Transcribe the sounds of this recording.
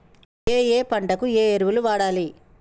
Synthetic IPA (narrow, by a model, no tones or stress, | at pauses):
eːeːpɐɳɖɐkueːeɾuʋuluʋaːɽaːli